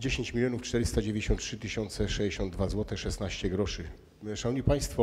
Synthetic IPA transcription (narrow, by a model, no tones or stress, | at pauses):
d͡ʑeɕeɲt͡ɕmʲilʲjɔnuft͡ʂt̪ɛɾɘst̪ad͡ʑevʲjɲd͡ʑeɕɔntʂɘt̪ɘɕɔnt̪sɛʂɛd͡ʑeɕɔnd̪d̪vazwɔt̪ɛʂɛsnaɕt͡ɕɛɡɾɔʂɘ | ʂanɲipaj̃st̪fɔ